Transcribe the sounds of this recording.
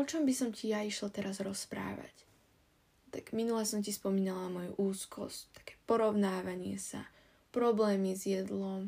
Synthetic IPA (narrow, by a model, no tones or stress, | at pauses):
ɔt͡ʃɔmbisɔmcijaiʃlat̪ɛɾazɾɔspɾa̰ːʋa̰c | t̪aɡ̥minulɛsɔmcispɔmiːnalamɔjṵʔuːskʰɔ̰sct̪ḁkɛ̥ːpɔɾɔʊnaːʋaɲɪɛ̰sa̰ | pɾɔblɛːmizjɛd̪lɔm